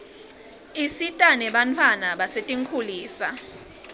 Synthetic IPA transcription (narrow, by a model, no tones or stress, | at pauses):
isitʼanɛɓantʰwanaɓasetʼiŋkʰuliːsa